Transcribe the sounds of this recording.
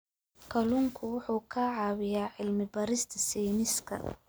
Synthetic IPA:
kʰɐlʊŋkʰʊwʊħuːkʰaʕɑːwɪjaːʕɪlmɪbɐɾɪst̪ʰɐsiːmɪskʰɐ̰

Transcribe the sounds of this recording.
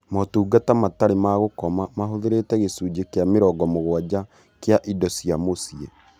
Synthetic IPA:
mɔtuːɡatamataɾemaɣokɔmamaɦoðeɾetɛɣesuːd͡ʒekjameɾɔɡɔmoɣwad͡ʑa | keaʔidɔsiamosie

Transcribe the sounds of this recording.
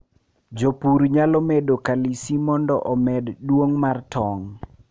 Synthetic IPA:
d͡ʒopuɾɲalɔmedokalisimɔndɔʔɔmɛdːwoŋmartɔŋ

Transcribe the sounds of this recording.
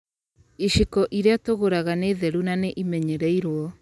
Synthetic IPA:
iʃikɔʔiɾeatoɣoɾaɣaneːðɛɾunaneʔimɛɲɛɾɛiɾwɔ

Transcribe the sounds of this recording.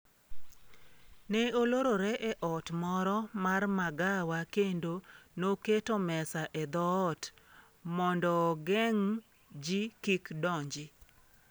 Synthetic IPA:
nɛoloɾoɾɛʔɛʔɔtmɔɾɔmarmaɡawakendonoketomɛsaʔɛd̪ɔːt | mɔndɔɡɛŋ | d͡ʒikikdɔɲd͡ʒɪ

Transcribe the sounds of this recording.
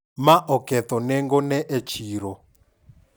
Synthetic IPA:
maʔɔkɛt̪ɔnɛŋɡɔnɛʔt͡ʃʰiɾɔ

